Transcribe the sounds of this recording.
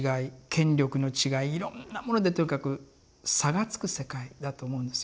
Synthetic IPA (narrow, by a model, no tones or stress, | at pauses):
ɡaikʰẽ̞ɲɾʲo̞kɯ̟no̞t͡ɕiɡaiːɾõ̞̰nːamo̞no̞d̪e̞t̪o̞ɲ̟ikakɯ̟ | saɡat͡sɨ̥kɯ̟se̞kaid̪at̪o̞ːmo̞ɯ̟̃nd̪e̥